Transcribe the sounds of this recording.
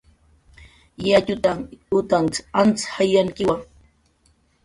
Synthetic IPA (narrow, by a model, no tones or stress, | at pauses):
jacʊt̪aŋʊt̪ant͡sant͡shajaŋkɪwaŋ